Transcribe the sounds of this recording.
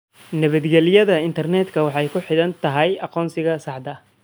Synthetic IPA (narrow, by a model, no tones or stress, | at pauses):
nɛβɐd̪ɡɛlɪjɐðɐɪnt̪ʰɐrnɛːd̪kʰɐwɑħɑjkʰʊħɪðɐnt̪ʰɐɦɛjɑqɔːnsɪɣɐsɑʕd̪ɐ